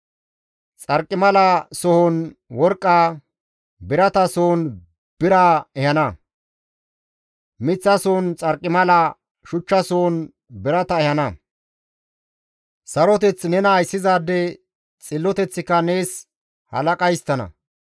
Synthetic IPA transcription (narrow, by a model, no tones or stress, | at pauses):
t͡sʼɐɾkʼːɪmɐlɐsɔhɔnwɔɾkʼːaː | bɪɾɐt̪ɐsoːn | b̥ɪɾaːɛhɐnɐ | mɪt͡sːɐsoːnt͡sʼɐɾkʼːɪmɐlɐ | ʃʊt͡ʃːɐsoːn | bɪɾɐt̪ɐɛhɐnɐ | sɐɾɔt̪ɛt͡snɛnɐːjsːɪzaːd̪ːɛ | t͡sʼɪlːɔt̪ɛt͡sːɪkːɐne̞ːs | hɐ̰lɐkʼɐjst̪ːɐnɐ̰